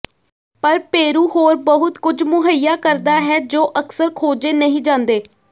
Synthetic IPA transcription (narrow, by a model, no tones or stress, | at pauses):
pəɾpeːɾuːɦoːɾbəɦʊt̪kʊd͡ʒmʊɦəijaːkəɾd̪aːɦɛːd͡ʒoːʔəksəɾkʰoːd͡ʒeːnəɦĩːd͡ʒãːnd̪eː